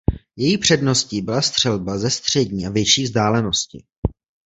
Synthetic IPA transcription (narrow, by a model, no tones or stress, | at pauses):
jɛjiːpr̝̥ɛdno̞sciːbɪlast̪r̥ɛlbazɛst̪r̝̥ɛɟɲiːʔavjɛt͡ʃiːvzdaːlɛno̞scɪ̰